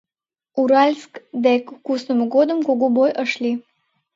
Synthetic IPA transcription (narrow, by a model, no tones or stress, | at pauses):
uɾalʲskd̪ekːusnəməɡod̪əmkoɡubojʔəʃli